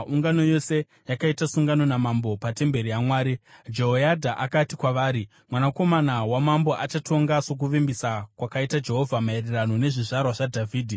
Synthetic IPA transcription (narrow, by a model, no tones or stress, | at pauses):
uŋɡano̞jo̞se̞ | jakaitasuŋɡano̞namambo̞pate̞mbe̞ɾijamwaːɾid͡ʒe̞ɦojadʱaʔakatikwaʋaːɾi | mwanako̞manawamambo̞ʔat͡ʃatʰo̞ŋɡaso̞k̬uʋimbisakwakaitad͡ʒe̞ɦo̞vʱamaererano̞ne̞ʐiʐarwaʐadʱavʱiːdʱi